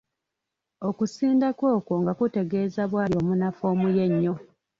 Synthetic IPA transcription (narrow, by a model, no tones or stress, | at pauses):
okusiːndakwo̞ːko̞ŋɡakute̞ɡe̞ːzaβwaːljo̞ːmunafo̞ːmuje̞ɲːo̞